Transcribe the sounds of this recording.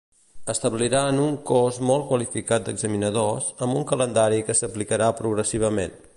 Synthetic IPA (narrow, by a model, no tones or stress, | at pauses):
əst̪əβliɾaənuŋkɔzmɔlˠt̚kwəlifikat̪̚d̪əɡzəminəðozəmbuŋkələnd̪aɾikəsəplikəɾapɾuɣɾəsiβ̞əmen